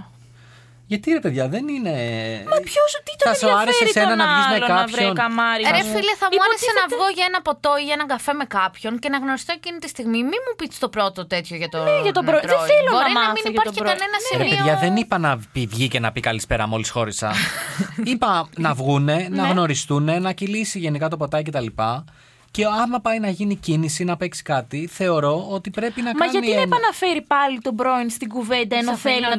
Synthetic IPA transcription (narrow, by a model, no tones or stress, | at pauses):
ʝɐt̪iɾepeðʝɐðe̞nine̞mepçost̪iɐsoɐɾesesenɐnɐvizmekɐçɾionɐmɐɾiɾefilɐθɐmuɐɾesenɐvɣo̞ʝɐenɐpo̞t̪o̞iʝɐenɐŋɡɐfe̞me̞kɐpço̞nce̞nɐɣno̞ɾist̪oecinit̪ist̪iɣmimimupit̪st̪o̞pɾo̞t̪ot̪e̞t̪çoʝɐt̪oʝɐt̪oɾoɾeoeloɾiɐminipɐɾçekɐnenɐsimɾeipeoðʝɐðenipɐnɐpivʝice̞nɐpikɐlispe̞ɾɐ̰mo̞lisxo̞ɾesɐ̰sipɐnɐvɣune̞nɐɣno̞ɾist̪une̞nɐcilisiʝe̞nikɐt̪o̞po̞t̪ɐice̞t̪ɐlipɐ | ce̞ɐmɐpɐjnɐʝinicinisinɐpe̞ksi̥kɐt̪iθe̞o̞ɾo̞ot̪ipɾe̞pinɐmkmɐɐʝɐtniipɐnɐfe̞ɾipɐlit̪o̞bɾoinst̪iɡuve̞nd̪ɐenoθelinɐ